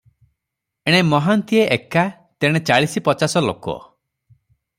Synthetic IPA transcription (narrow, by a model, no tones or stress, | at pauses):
eɽ̃emɔɦant̪ieʔeka | t̪eɽ̃et͡ʃaɭisipɔt͡ʃasɔlo̰kɔ̰